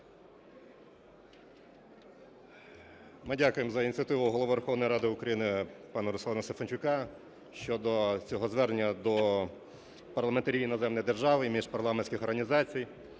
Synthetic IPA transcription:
mɪdʲakʊjemzɐinʲt͡sʲiɐt̪ɪʋʊɦɔlˠɔʋɔʋeɾuxɔʋnɔjiɾɑd̪ɪʊkɾɐjinɪpɑnɐɾʊslˠɑnɐst̪efɐnʲt͡ʃʊkɑ | ʃt͡ʃɔd̪ɔt͡sʲɔɦɔzʋɛrnʲːɐd̪ɔ | pɐrlˠɐment̪ɐɾʲiʋʲinɔzɛmnɔjd̪erʒɑʋɪimʲiʃpɐrlˠɑmenʲsʲkɪxɔrɦɐnʲizɑt͡sʲij

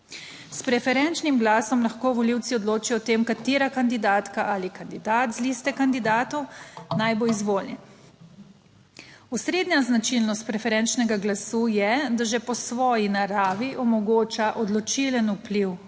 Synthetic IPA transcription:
spɾɛfɛɾɛnt͡ʃnimɡlaːsɔmlaxkoːʋɔliwt̪siɔd̪loːt͡ʃijɔt̪eːmkat̪iːɾakand̪id̪aːt̪kaʔalikand̪id̪aːt̪zlist̪ɛkand̪id̪aːt̪ɔwnajboizʋoːlnɛn | ɔsɾeːd̪ɲaznat͡ʃilnɔst̪̚pɾɛfɛɾɛnt͡ʃnɛɡaɡlasuːjɛd̪aʒɛpɔsʋɔːjinaɾaːʋiʔɔmɔɡoːt͡ʃaʔɔd̪lɔt͡ʃilənupliw

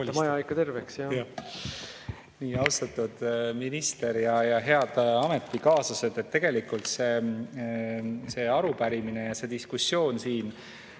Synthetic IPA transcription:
omɑjɑikːˑɑt̪e̞rveksjɑj | niːɑwst̪ɑt̪ːˑud̪̥minist̪e̞ɾjɑjɑɦe̞ɑd̪̥ɑme̞t̪ːˑikɑːsɑse̞d̪̥e̞t̪ːe̞ɡ̥e̞likult̪se̞ | se̞ːɑɾupæɾimine̞jɑse̞d̪̥iskusːjo̞ːnsiːn

